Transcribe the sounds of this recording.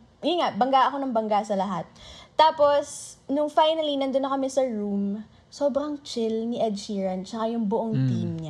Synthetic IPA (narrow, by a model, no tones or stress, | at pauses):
jiŋaʔbɐŋɡaʔɐko̞nɐŋbɐŋɡasɐlɐɦat̪̚ːaːpo̞snʊŋfajnɐlinɐnd̪onːɐkɐmɛsɐɹum | soːbɾɐŋt͡ʃɪlniʔɐd̪hiːɹɐnt͡ʃɐkajʊŋbʊʔoŋt̪iːmɲa